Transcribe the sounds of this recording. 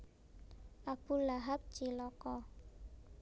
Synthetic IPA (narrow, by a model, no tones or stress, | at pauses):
ʔab̥ṳlaɦap̚d̥ʒ̥ilɔkɔ